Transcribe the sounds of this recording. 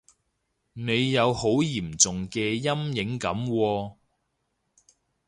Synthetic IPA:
ne˨˧jːɐ˨˧who˨˥wjiː˨˩mt͡sʊ˨ŋkɛː˧jɐ˥mjɪ˨˥ŋkɐ˨˥mwɔː˧

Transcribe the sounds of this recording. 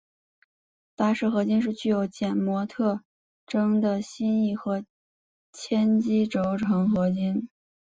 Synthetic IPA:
t̪a˥ʂɻ̩˥˩xɤ˧˥t͡ɕi˥nʂ̬ɻ̩˥˧t͡ɕy˥˩jo˧˥ʊt͡ɕjɛ˨˩nmwɔ˧˥t̪ʰɤ˥˩ | ʈ͡ʂɤ˥ŋd̪ə˨ɕi˥ni˥˩xɤ˧˥ | t͡ɕʰjɛ˥nt͡ɕi˥ʈ͡ʂo˧˥ʊʈ͡ʂʰɤ˧˥ŋxɤ˧˥t͡ɕi˥n

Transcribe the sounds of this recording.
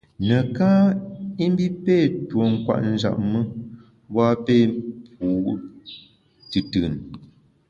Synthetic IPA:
nə˨ka˦i˦m˦bi˦peː˦˨two˨ŋ̩˦kwa̰˦˨ʔn̩˦d͡ʒa̰˨ʔ̚mə˦ | bwa˦peː˦˨pu˨˦ | tɨ˨tɨ˨n

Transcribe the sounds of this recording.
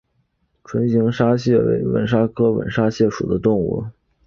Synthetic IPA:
ʈ͡ʂʰwə˧˥nɕi˧˥ŋʂa˥ɕjɛ˥˩wḛ˧˥ɪwə̰˧˥nʂa˥kʰɤ˥wə̰˨˩nʂa˥ɕjɛ˥˩ʂṵ˨˩d̪ə˦t̪ʊ˥˧ŋṵ˥˩

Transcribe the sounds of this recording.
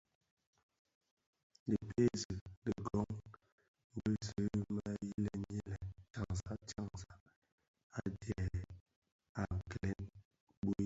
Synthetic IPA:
di˨pʰe˦zə˨də˨ɡɔ˦ŋ | m̩˦bə˦zə˨˦ma˦ji˦lɛ˦ɲe˦lɛ˨t͡ʃa˨ŋza˦t͡ʃa˦˨ŋza˦ | a˦dɛ˨ | a˨klɛ˨˦n | bo˦

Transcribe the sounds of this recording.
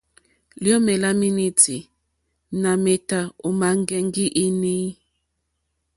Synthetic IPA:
ljɔ˦mɛ˨la˦mi˦ni˦ti˨ | na˨me˨ta˨o˨ma˨ŋ˦ɡɛ˦ŋɡi˦ʔi˦ni˦

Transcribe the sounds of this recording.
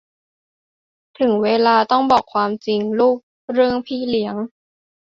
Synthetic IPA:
t̪ʰɯ˨˩˦ŋweː˧laː˧t̪ɔ˥˩ŋbɔː˨˩kʰwaː˧mt͡ɕi˧ŋluː˥˩k̚ | ɾɯ˥˩əŋpʰiː˥˩li˩˦əŋ

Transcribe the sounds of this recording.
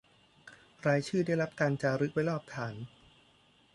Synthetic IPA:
ɾaː˧jt͡ɕʰɯː˥˩daː˥˩jɾa˦˥p̚kaː˧nt͡ɕaː˧ɾɯ˦˥k̚wa˦˥jlɔː˥˩p̚t̪ʰaː˩˦n

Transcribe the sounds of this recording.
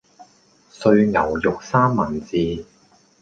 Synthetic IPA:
sɵ˧ɥŋɐ˨˩wjʊ˨k̚saː˥mːɐ˨˩nt͡siː˨˧

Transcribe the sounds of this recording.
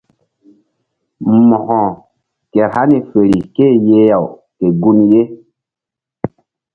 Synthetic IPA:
mɔ˨hɔ̃˨ | kɛ˨ɾha˦ni˨fe˨ɾi˨ke˦˨je˦ja˨w | ke˨ɡu˦nje˦

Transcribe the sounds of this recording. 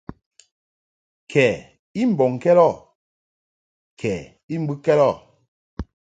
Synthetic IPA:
kʰɛ˨ | i˦m̩˨bɔ˨ŋ˨kɛ˦lɔ˦˨ | kʰɛ˨ | i˦m̩˦bu˦kɛ˦lɔ˦˨

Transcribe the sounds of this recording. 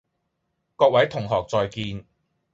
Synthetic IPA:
kɔː˧k̚wɐ˨˥jt̪ʰʊ˨˩ŋɦɔː˨˩k̚t͡sɔː˨˧jkiː˧n

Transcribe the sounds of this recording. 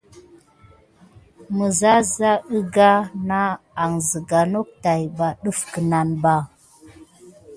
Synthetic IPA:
mə˨za˦za˦ə˦ɡa˦na˦ | a˨ŋzə˨ɡa˨no˦k̚ta˨jba˨ɗə˦fkə˨na˨nba˦

